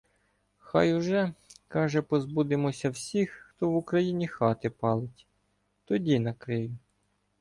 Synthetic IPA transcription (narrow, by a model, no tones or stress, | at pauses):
xɑjʊʒɛkɑʒɛpɔzbud̪ɪmɔsʲɐwsʲixːt̪ɔʋʊkɾɐjinʲixɑt̪ɪpɑlˠɪtʲ | t̪ɔdʲinɐkɾɪjʊ